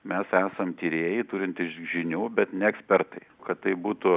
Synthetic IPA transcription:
mʲɛsæːsɐmt̪ʲiːɾʲeːjɪt̪uːɾʲɪnt̪ʲɪsʒʲɪnʲuːbʲɛt̪nʲɛɛksʲpʲɛrt̪ɐɪkɐt̪t̪ːɐɪbuːt̪ʊ

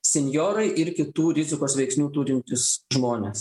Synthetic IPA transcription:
sʲɛnʲjoːɾɐɪʔɪɾkʲɪt̪uːɾʲɪzʲɪkoːsʋʲɛɪksʲnʲuːt̪uːɾʲɪnʲt̪ʲɪsʒmoːnʲes

